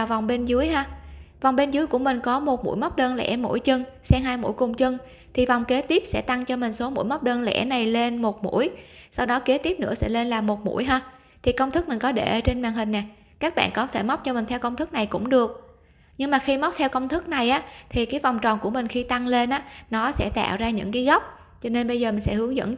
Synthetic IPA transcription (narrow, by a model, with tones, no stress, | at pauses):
va˨˩wŋ͡mɓe˧nzɨ˨˦jɦaː˧va˨˩wŋ͡mɓe˧nzɨ˨˦jku˧˩əmï˨˩ŋ̟kɔ˨˦mo˨˩t̚mṵ˧˥jma˦˥k͡p̚ɗəː˧nlɛ̰˧˥˩mṵ˧˥jt͡ɕɨ˧ŋsɛ˧ŋɦaː˧jmṵ˧˥jkʊ˨˩ŋ͡mt͡ɕɨ˧ŋ | t̪ʰi˨˩va˨˩wŋ͡mke˨˦t̪i˦˥əp̚sɛ̰˧˥t̪a˧ŋt͡ɕɔ˧mï˨˩ŋ̟so˨˦mṵ˧˥˨jma˦˥k͡p̚ɗəː˧nlɛ̰˧˥na˨˩jle˧nmo˨˩t̚mṵ˧˥əjsa˧wɗɔ˨˦ke˨˦t̪i˦˥p̚nɨ̰˧˥əsɛ̰˧˥le˧nlaː˨˩mo˨˩t̚mṵ˧˥əjɦaː˧ | t̪ʰi˨˩kə˧wŋ͡mt̪ʰɨ˦˥k̚mï˨˩ŋ̟kɔ˨˦ɗe˧˩ʔəː˧t͡ɕe˧nmaː˨˩ŋɦï˨˩ŋ̟ːna˨˩ | kaː˦˥k̚ɓa̰ː˧˨nkɔ˨˦t̪ʰe˧˩ma˦˥k͡p̚t͡ɕɔ˧mï˨˩ŋ̟t̪ʰɛ˧wkə˧wŋ͡mt̪ʰɨ˦˥k̚na˨˩jkʊ̰˧˥ŋ͡mɗɨ˨˩ək̚ | ɲɨ˧ŋmaː˨˩xi˧ma˦˥wk͡p̚t̪ʰɛ˧wkə˧wŋ͡mt̪ʰɨ˦˥k̚na˨˩jʔaː˨˦t̪ʰi˨˩kaː˨˦jva˨˩wŋ͡mt͡ɕɔ˨˩nku˧˩əmï˨˩ŋ̟xi˧t̪a˧ŋle˧nʔaː˨˦˥nɔ˨˦sɛ̰˧˥t̪a̰ː˧˨wzaː˧ɲɨ̰˧˥ŋkaː˨˦jɣa˦˥wk͡p̚ | t͡ɕɔ˧ne˧nɓə˧jzəː˨˩mï˨˩ŋsɛ̰˧˥hɨ˨˦əŋzə̰˧˥n